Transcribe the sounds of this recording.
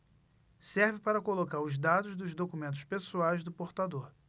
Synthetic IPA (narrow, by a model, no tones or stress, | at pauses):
sɛɾvɪpaɾɐkolokaɾʊzd̪ad̪ʊzd̪ʊzd̪okumẽnt̪ʊ̥ʃpesuajzd̪ʊpoɾt̪ad̪oɾ